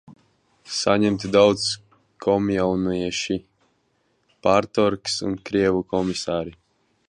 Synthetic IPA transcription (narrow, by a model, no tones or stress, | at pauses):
saɲɛmt̪id̪awt̪s | kʰɔmjawnujɛʃi | paɾt̪ɔɾksṵnkɾiɛvukɔmisaːɾi